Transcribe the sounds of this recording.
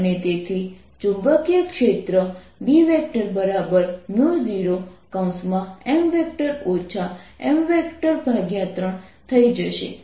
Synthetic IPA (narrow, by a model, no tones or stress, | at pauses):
ənet̪et̪ʰi | t͡ʃũmbəkjəkʃet̪ɾə | biʋek̚ʈəɾbəɾabəɾmjud͡ʒiɾokaũsmãemʋek̚ʈəɾot͡ʃʰaemʋekʈəɾbʱaɡjãt̪ɾəɳt̪ʰəid͡ʒəʃḛ